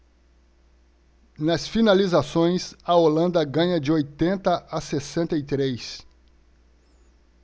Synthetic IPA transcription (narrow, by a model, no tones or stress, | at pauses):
nɐsfinalizasõj̃sɐolɐ̃nd̪ɐɡɐ̃ɲɐd͡ʒɪojt̪ẽnt̪ɐʔasesẽnt̪ɐit̪ɾejs